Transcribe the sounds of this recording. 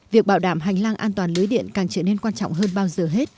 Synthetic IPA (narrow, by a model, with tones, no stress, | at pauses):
vi˨˩ək̚ɓaː˧˩wɗaː˧˩mɦa˨˩jŋ̟laː˧ŋʔaː˧nt̪waː˨˩lɨ˨˦jɗḭ˧˨ənkaː˨˩ŋt͡ɕəː˧˩ne˧nkwaː˧nt͡ɕɔ̰˧˨wŋ͡mɦəː˧nɓaː˧wzəː˨˩ɦe˦˥t̚